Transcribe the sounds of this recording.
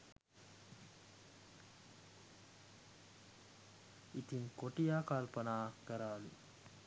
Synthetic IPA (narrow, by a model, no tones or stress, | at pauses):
it̪iŋkoʈijaːkalpɐnaːkəɾaːlḭ